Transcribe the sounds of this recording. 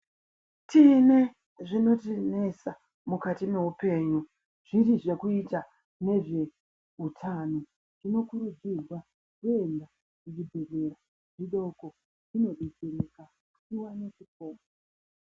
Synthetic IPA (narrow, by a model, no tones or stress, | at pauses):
tʰine̞ | ʐino̞tine̞sa | mukatime̞ɦupe̞ːɲu | ʐ̥iɾiʐe̞kuita | ne̞ʐe̞ | ɦutʰano | ʐino̞kuɾud͡zizwa | kue̞nda | kuʐibʱeze̞ɾa | ʐiɗo̞ko̞ | ʐino̞ɗed͡zeɾeka | kuwane̞t͡ʃipoːmo